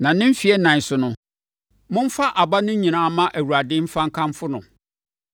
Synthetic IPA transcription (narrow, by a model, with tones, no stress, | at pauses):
nã˨nɪ̃˦m̩˦fi˨ɛ˦nã˨ɲ˨sʊ˨nʊ̃˨ | mʊ̃˦m̩˦fa˦ʔa˨ba˦nʊ̃˦ɲĩ˨nã˦mã˦ʔæ˨wu˨ɾa˨dɪ˦m̩˦fã˦ŋ̩˦kʰã˦mfʊ˦nʊ̃˨